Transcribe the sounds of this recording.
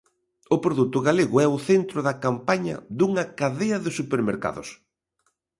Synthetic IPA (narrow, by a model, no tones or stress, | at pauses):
ʊpɾoðut̪ʊɣaleɣʊɛʊθent̪ɾʊðɐkampaɲɐ̰ðuŋɐkaðeɐðɪsupeɾmeɾka̰ðʊ̰s